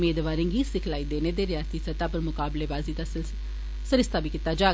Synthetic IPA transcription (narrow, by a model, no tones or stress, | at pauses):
meːd̪ʋaːɾẽŋɡiːsɪkʰlaːid̪eːned̪eɾɪjaːst̪isət̪aːpəɾmʊkaːblebaːzid̪a | səɾɪst̪ʰaːbiːkɪt̪aːd͡ʒaː